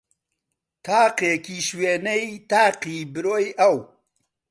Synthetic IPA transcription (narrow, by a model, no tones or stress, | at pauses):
t̪ʰaːqeːkiːʃweːnɐjt̪aːqiːbɨɾoːjɐw